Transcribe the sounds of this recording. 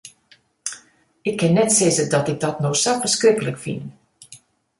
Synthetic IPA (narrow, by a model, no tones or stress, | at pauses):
ɪkʰːɪnːɛtsɪzədɔtɪɡ̚dɔtnoxsafərskrɪkələkfḭn